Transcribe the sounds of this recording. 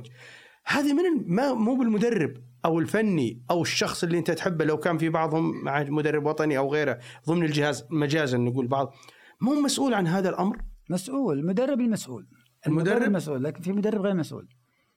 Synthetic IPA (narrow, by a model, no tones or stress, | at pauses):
d͡ʒ | haːðamɪnɪmamuːbɪlmʊd̪arːɪbʔawɪlfanːiʔawɪʃːɑxsˤʔɪlːiʔɪnt̪at̪ħɪbːlawkaːnfibɑʕðˤhʊmːaʕamʊd̪arːɪbwɑt̪ˤɑniʔawɣeːɾaðˤɨmnɪld͡ʒɪhaːzmad͡ʒaːzɪnːaɡuːlbɑʕðˤ | mumasʔuːlʕanɦaːðalʔamɾmasʔuːlmʊd̪arˤːɪbɪlmasʔṵːl | ʔɪlmʊd̪ːmasʔuːlːaːkɪnfimʊd̪ɑrˤːɪbɣeːɾmasʔṵːl